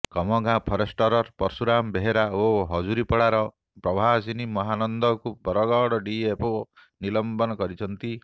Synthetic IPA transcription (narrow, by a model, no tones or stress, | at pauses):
kɔmɔɡãpʰɔɾesʈɔɾɔɾpɔɾsuɾambeɦeɾaoɦɔd͡ʒuɾipɔɽaɾɔ | pɾɔbʱasinimɔɦanɔnd̪ɔkubɔɾɔɡɔɽɔɖiepɔnilɔmbɔnɔkɔɾit͡ʃʰɔnt̪i